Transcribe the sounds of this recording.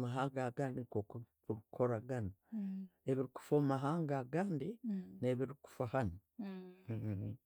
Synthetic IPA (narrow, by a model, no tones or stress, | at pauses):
maɦaːŋɡaɡaːndikoku | uɾukʰo̞ɾaɡana | e̞βiɾiku̥foːmaɦaːŋɡaɡaːndineβiɾiku̥fahana